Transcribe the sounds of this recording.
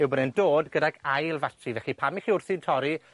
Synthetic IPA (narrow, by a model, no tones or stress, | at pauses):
ɪwbənɛndoːdɡədaɡajlˠvatʰrivɛχipʰamiχiʊrθɪntʰɔɾi